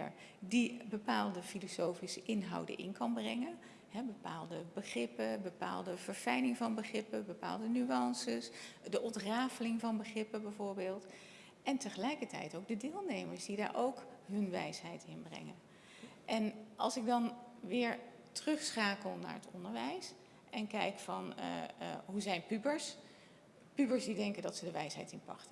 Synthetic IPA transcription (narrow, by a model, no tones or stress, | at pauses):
ə̰ɹ | dibəpaːlˠdəfilosowfisəʔɪnɦɑ̰wdə̰nʔɪ̰nkɑnbrɛŋən | ɦɛbəpaːlˠdəbəχrɪpəbəpa̰ːlˠdəv̥əɹfɛjlɪŋvɑnbəχrɪpəbəpa̰ːlˠdənyɑnsəsdəʔɔntraːfəlɪŋvɑnbəχrɪpəbɛjvʊːɹbɪːlˠt | ʔɛntəχəlɛjkəɹtɛ̰jtowɡ̚dədɪːlˠnejməɹsdida̰ːɹʔowkɦɵnʋɛ̰jsɦɛjtɪnbrɛ̰ŋən | ʔɛnɑ̰lˠsɪɡ̚dɑnʋɪːɹ | trɵχsχaːkəlˠna̰ːɹətɔ̰ndəɹʋɛjs | ɛnkɛjkfɑn̰ | ɦuzɛjnpybəɹs | pybəɹsdidɛŋkəndɑtsədəʋɛjsɦɛ̰jtɪnpɑ̰ktə